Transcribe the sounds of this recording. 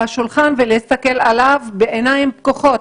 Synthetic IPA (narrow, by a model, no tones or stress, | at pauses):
haʃulχanveleist̪ake̞lalavbeʔenaimp̚koχo̞t